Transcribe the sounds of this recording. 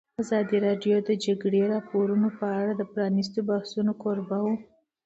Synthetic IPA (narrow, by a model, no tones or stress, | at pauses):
azɑd̪iɾɑɖjod̪əd͡ʒaɡɽeɾɑpoɾunopəaɽad̪əpɾɑnis̬t̪obahsunokoɾbawu